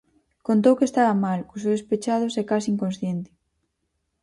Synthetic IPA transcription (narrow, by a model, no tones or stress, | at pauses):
kont̪̬owkest̪aβɐmalkuʃ̬oðespet͡ʃað̞ʊsɛkasiŋkonsθjent̪ɪ̥